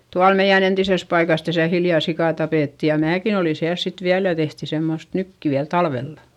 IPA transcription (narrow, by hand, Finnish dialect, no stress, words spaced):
tuɑl meij̆æn entises pɑikɑs tæsæ hiljɑˑ sikɑˑ tɑpeˑtːi jɑ mæːkin oli siæls sit ʋiæl jɑ tehti semːost nytːyæ tɑlʋelːɑ